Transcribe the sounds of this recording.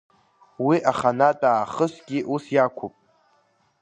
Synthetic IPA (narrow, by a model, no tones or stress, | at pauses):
wiʔaχanatʼaːχəsɡʲiʔusjakʷʰʊpʼ